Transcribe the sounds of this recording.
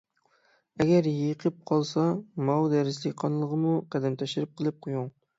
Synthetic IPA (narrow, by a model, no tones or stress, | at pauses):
ɛɡʲɛɾjiqʰəp̚qʰɑlˠsɑmɑwd̪ɛɾɪslɪqʰɑnlˠəʁəmuqæd̪ɛnt̪ʰɛʃɪɾɪp̚qʰəlˠɨp̚qʰojuŋ